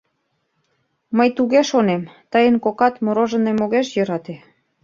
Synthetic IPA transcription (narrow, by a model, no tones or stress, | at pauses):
məjt̪uɣeʃonemt̪əjənkokɑt̪moɾoʒə̆nemoɣeʃjəɾɑt̪e